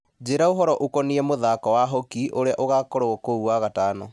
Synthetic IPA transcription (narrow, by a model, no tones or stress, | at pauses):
d͡ʑeɾaoɦɔɾɔʔokɔniɛmoðakɔwaɦokiʔoɾeaʔoɣakoɾoɔkouaɣataːnɔ